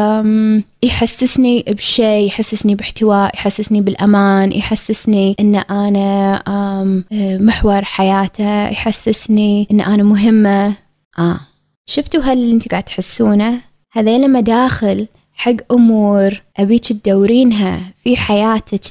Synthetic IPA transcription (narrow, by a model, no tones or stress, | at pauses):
m | jħasːɪsnibʃeːjħasːɪsnibɪħt̪ɪwaːʔjħasːɪsnibɪlʔamaːnjħasːɪsniʔɪnːʔaːna | mmɪħwɑɾˤħajaːt̪ʰajħasːɪsniʔɪnːʔanamʊɦɪmːa | ʔaː | ʃʊft̪uɦalːiʔɪnt̪ɡaʕd̪t̪ħasːuːna | haðeːlamːad̪aːxɪl | ħaɡːʔʊmuːɾʔabiːt͡ʃ̪ɪt̪̚d̪awːɾiːnɦafiħajaːt̪ʰa